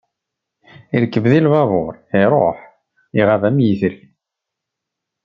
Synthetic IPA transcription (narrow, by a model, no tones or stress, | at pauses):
iɾkːəvðilvɑvˤoɾˤiɾˤo̰ħ | iʁavæmjiθəl